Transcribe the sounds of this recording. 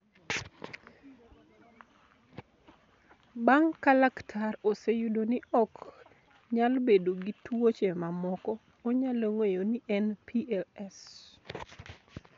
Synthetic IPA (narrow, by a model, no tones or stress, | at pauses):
baŋkalaktʰarosejudonɪʔɔk | ɲalbedoɡitwot͡ʃemamɔkɔː | ɲaloŋejoniʔɛnpʰiɛlɛs